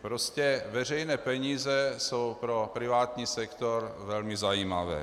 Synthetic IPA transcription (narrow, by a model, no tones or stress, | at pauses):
pɾoscɛvɛr̝ɛjnɛːpɛɲiːzɛso̞wpɾo̞pɾɪvaːt̪ɲiːsɛkt̪oɾvɛlmɪzajiːmavɛ̰ː